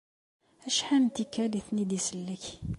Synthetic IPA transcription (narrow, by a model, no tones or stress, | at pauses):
æʃħænt̪ikːæliθnid̪isəlːəç